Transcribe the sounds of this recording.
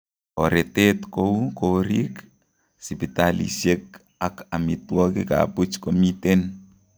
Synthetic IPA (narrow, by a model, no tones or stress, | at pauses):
oɾetetkoukoɾik | sipitalḭsek̚ | akamitwɔkika̰put͡ʃkomiten